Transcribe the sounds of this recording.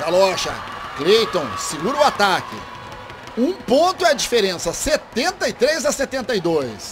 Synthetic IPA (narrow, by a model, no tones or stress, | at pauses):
d̪alɔʃɐ̰klejt̪õsɪɡuɾʊat̪akɪ̰ | ũpõnt̪ʊɛɐd͡ʒifeɾẽsɐset̪ẽnt̪ɐit̪ɾezɐset̪ẽnt̪ɐjd̪ojs